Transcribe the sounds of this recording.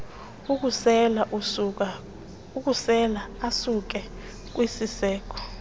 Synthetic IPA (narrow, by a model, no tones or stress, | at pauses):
ɛla | uk̬ʼusɛlaasuk̬ɛ | k̬ʼwisisɛːk̬ʰɔ̥